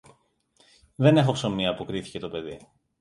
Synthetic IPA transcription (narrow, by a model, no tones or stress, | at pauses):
ðe̞ne̞xo̞kso̞miɐpukɾiθi̥ce̞t̪o̞pe̞ði